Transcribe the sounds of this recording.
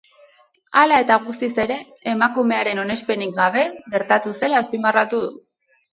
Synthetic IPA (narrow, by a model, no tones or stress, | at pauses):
alae̞t̪aɣ̞ust̪ise̞ɾe̞ː | makume̞aɾe̞no̞ne̞spe̞nikɡaβ̞e̞ɣe̞ɾt̪at̪use̞laːspimarat̪uðu